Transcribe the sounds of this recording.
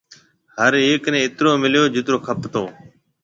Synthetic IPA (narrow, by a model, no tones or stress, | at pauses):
həɾeːknẽːɪt̪ɾoːmɪljoːd͡ʒɪt̪ɾoːkʰəpt̪oː